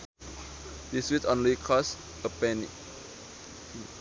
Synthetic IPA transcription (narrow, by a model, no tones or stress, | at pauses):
diswitõnlikʰɔs | əpɛnḭk